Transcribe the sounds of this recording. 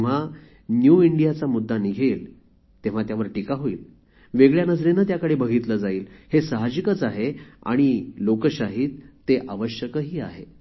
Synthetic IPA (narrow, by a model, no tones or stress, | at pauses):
ʋ̤a | njuiɳɖijat͡samud̪ːaniɡʱeːl | t̪eʋ̤at̪jaʋəɾʈikaɦoḭːl | ʋeɡɭjanəd͡zɾenət̪̬jakəɽebəɡʱiːt̪ləd͡zaiːlhesəɦad͡ʑikət͡saɦea̰ɽ̃ilokəɕaɦiːt̪ːeʔaʋəɕjəkəɦiːaɦe